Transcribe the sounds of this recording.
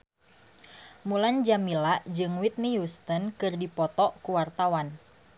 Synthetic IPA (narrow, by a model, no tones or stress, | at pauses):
muland͡ʒamilaʔd͡ʒɨŋwit̪̚nijust̪ənkɨrdipɔt̪ɔʔkuwart̪awan